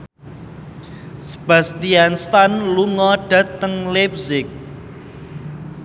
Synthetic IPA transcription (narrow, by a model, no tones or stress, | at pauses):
sə̥b̥a̤st̪ianst̪anluŋɔɖ̥ä̤t̪əŋlɛpsɪk̚